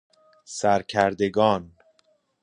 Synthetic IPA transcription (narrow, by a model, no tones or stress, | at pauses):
sæɾcʰæɾd̪e̞ɡɒːn